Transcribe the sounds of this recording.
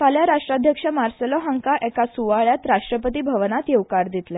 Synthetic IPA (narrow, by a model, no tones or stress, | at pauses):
paljaɾaʂʈɾad̪ʱjəkʂəmaɾsəlɔɦaŋkaʔɛkasuʋaɭjat̪ɾaʂʈɾəpət̪̬iːbʱəʋnat̪jewkaɾd̪it̪lɛ